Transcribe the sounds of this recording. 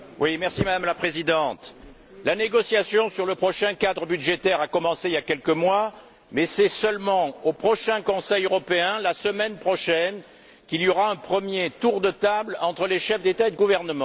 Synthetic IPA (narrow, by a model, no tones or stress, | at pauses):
wimɛʁsimad̪amlapχezid̪ɑ̃t̪ | laneɡɔsjasjɔ̃syʁləpχɔʃɛ̃kad̪ʁəbyd̪ʒet̪ɛʁakɔmɑ̃seiljakɛlkəmwa | mɛsɛsœlmɑ̃opχɔʃɛ̃kɔ̃sɛjøʁɔpeɛ̃lasəmɛnpχɔʃɛn | kilijoʁaɛ̃pχəmjet̪uʁd̪ət̪ablɑ̃t̪χəleʃɛfd̪et̪aed̪əɡuvɛʁnəmɑ̃